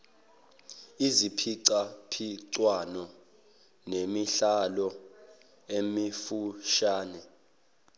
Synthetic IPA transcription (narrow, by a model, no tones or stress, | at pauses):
izipʰiǀapʰiǀwanɔ | nemiɬalɔ | emifuʃaːnɛ